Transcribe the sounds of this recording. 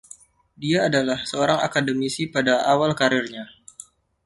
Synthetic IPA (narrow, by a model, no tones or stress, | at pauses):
diaːdalahsəoɾaŋa̰kadəmisipadaawalkaɾɪrɲa